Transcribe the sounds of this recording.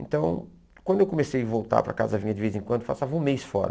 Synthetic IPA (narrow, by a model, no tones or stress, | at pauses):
ẽnt̪ɐ̃w̃ | kwɐ̃nd̪ʊewkomesejvowt̪a̰ɾpɾɐ̰ka̰zɐvĩɲɐd̪ɪvejzẽŋkwɐ̃d̪ʊfasavɐũmejsfɔ̰ɾɐ̰